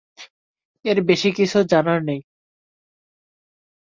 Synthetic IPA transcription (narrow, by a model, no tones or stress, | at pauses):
eɾbeʃikit͡ɕʰud͡ʑanaɾnej